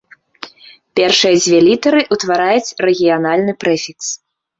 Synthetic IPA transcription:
pʲɛrʂɨjɐd͡zʲvʲɛlʲit̪ɐɾɨʔut̪vaɾajut͡sʲrɛɣʲijan̪alʲnɨpɾɛfʲiks

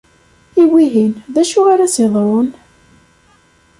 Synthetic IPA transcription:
iwiɦinðæʃuaɾasiðˤɾˤon

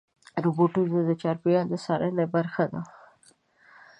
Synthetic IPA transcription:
ɾʊboʈuad̪ət͡ʃɑɾpijɑd̪əsɑɾʔənabaɾxad̪a̰

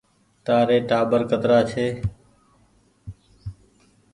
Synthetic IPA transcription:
t̪aːɾeːʈaːbəɾkət̪ɾaːt͡ʃʰeː

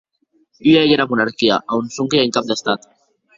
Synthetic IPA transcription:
yaejeɾamunaɾkiaʔaunsuŋkeaiŋkap̚d̪est̪at̪

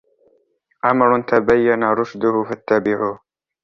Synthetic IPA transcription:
ʔamɾˤʊt̪abajːanaɾˤʊʃd̪ʊhʊfat̪ːabɪʕuːh

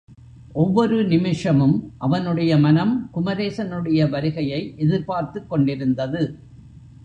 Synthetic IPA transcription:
ʔɔʋːɔɾɯnɪmɪʂɐmɯmʔɐʋɐnɯɽɐjɐmɐnɐmkʊmɐɾeːsɐnɯɽɐjɐʋɐɾɯɣɐjɐɪʔɛðɪɾpaːɾt̪ɯkːɔɳɖɪɾɯnd̪ɐðɯ

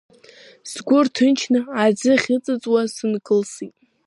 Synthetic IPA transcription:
sɡʷʊrtʰɨnt͡ʃʰnɨad͡zɨχʲɪt͡sʼɨt͡sʼwasɨnkʼɨlsitʼ

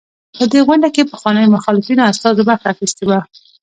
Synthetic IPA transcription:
pəd̪eɣwaɳɖakepəxwɑnəjmʊxɑlɪfinaast̪ɑzebaxaxist̪ewa

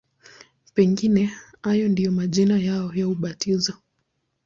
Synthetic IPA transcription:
pɛŋɡinɛajɔndijɔmaʄinajaɔjauɓatʰizɔ

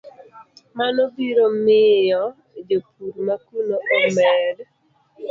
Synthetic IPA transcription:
manobiɾomɪjɔ | d͡ʒopʰuɾmakunoʔɔmɛd

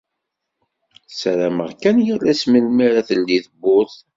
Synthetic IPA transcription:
sɾæməʁkænjəlæsməlmiɾaθəlːiðəbːʊθ

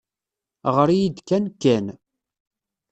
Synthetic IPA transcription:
ʁəɾijid̪kːænkːæn

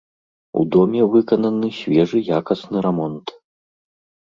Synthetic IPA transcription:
ṵd̪ɔmʲɛvɨkɐnɐnɨsʲvʲɛʐɨjakɐsnɨɾɛmɔnt̪

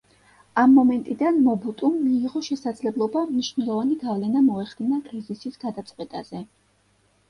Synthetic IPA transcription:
amːɔmɛnt̪ʼid̪anmɔbut̪ʼumːiːʁɔʃɛsad̪zlɛblˠɔbamniʃvnɛlˠɔvaniɡavlɛnamɔɛχd̪inakʼɾizisisɡ̥ad̪at̪sʼqʼwɛt̪ʼa̰zɛ

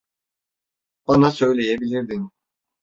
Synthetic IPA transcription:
b̥anasø̞jlʲejɛbilʲiɾd̪in

